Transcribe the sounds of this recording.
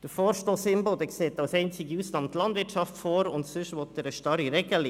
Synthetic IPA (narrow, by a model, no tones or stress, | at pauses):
d̥əfɔːɾʃtosɪmbod̪ɛkseːtɑwsɛɪnt͡sɪɡiusnɑmtlɑndvɪtʃɑftfoːɾʊntsʏʃʋɔtəɾəʃtɑɾiɾɛɡ̥əli